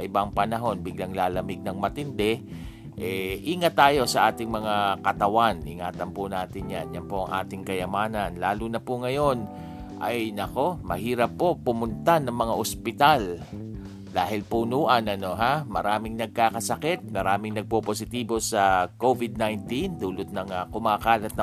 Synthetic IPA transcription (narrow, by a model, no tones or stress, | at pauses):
ɐʔɪbaŋpɐnɐɦo̞nbɪɡ̚laŋlaːlɐmɪɡ̚nɐŋmɐt̪ɪnd̪ɛ | ʔɛʔiːŋɐt̪ːaːjo̞sɐʔaːt̪ɪŋmɐŋakɐt̪ɐwanʔɪŋaːt̪ɐnpʊnaːt̪ɪnja̰njɐnpoʔɐ̰ŋʔa̰ːt̪ɪŋkɐjɐmaːnɐnlaːlunɐpʊŋɐjo̞n | ʔɐjnɐko̞mɐ̰ɦiːɾɐpːo̞ʊmʊnt̪anɐŋmɐŋaʔospɪt̪al | d̪aːɦɪlpunuːʔɐnɐno̞ɦamɐ̰ɾaːmɪŋnɐɡ̚kaːkɐsɐkɛt̪̚mɐɾaːmɪŋnɐɡ̚popos̬ɪt̪iːbo̞sɐkovɪd̪̚najnt̪ind̪uːlʊt̪̚nɐŋakʊmaːkaːlɐt̪̚nɐ